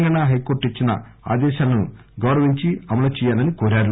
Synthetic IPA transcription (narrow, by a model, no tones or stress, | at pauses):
ŋɡɐnaɦɐjkoːʈit͡ʃːinɐ̰a̰ːd̪ɛːʃaːlɐnuɡɐwɾɐʋiɲt͡ʃiɐmɐlɐt͡ʃɛjaːlɐnikoːɾaːɾu